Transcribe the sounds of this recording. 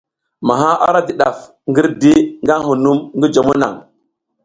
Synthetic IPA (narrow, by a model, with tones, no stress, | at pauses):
ma˨ɦa˦ʔa̰˦ɾa˦di˨ɗa˨f | ŋɡi˦ɾdi˦ŋɡa˦ɦu˨nu˦mŋɡi˦d͡ʒa˨mu˦na̰˨ŋ